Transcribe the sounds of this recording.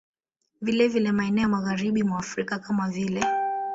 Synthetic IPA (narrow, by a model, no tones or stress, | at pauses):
vilɛvilɛmaɛnɛɔjamaɣaɾiɓimwaːfɾikakamavilɛ